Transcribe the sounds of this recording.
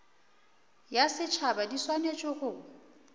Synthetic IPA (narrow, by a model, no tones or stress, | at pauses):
jasɪt͡ʃʰabadiswanet͡ʃʼɔɣʊ